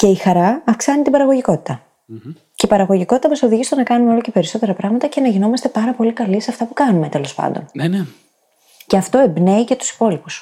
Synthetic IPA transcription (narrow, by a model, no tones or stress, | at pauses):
ce̞ixɐɾɐːfksɐnit̪ibɐɾɐɣo̞ʝiko̞t̪i̥t̪ɐ | ceipɐɾɐɣo̞ʝiko̞t̪it̪ɐmɐso̞ðiʝist̪onɐkɐnumeolo̞ce̞pe̞ɾiso̞t̪e̞ɾɐpɾɐɣmɐt̪ɐce̞nɐʝino̞mɐst̪e̞pɐɾɐpo̞likɐliseɐft̪ɐpukɐnume̞t̪e̞lo̞spɐ̰nd̪o̞̰nn | ceɐft̪o̞e̞bne̞ice̞t̪u̥si̥po̞lipus